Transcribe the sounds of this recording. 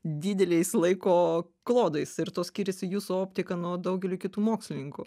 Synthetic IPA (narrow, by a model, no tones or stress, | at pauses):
d̪ʲid̪ʲɛlʲɛɪslˠɐɪkoː | klˠoːd̪ɐɪsɪɾt̪oːsʲkʲiːɾʲɛsʲɪjuːsuoːpʲt̪ʲɪkɐnuɔd̪ɐʊɡʲɛlʲuːkʲɪt̪uːmoːksʲlʲɪnʲɪŋkʊ